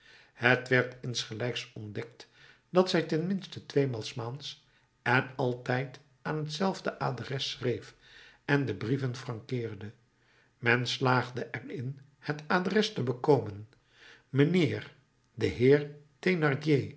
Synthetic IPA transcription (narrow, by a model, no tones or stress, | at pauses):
hətʋɛɹtɪnsχəlɛjksɔndɛk̚t | d̥ɑtsɛjtɛnmɪnstətʋejmɑlˠsmaːns | ɛnɑlˠtɛjt | aːnɦətsɛlˠvdəʔaːdrɛsrejf | ɛndəbrivənfrɑŋkɪːrdə | mɛnslaːχdəʔɛrɪn | hətaːdrɛstəbəkowmən | mənɪːɹ | dəɦɪːɹtenɑɹdje